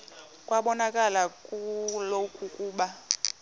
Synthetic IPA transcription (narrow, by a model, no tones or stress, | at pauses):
kʼwaɓɔnakʼalakʼulokʼukʼuːɓa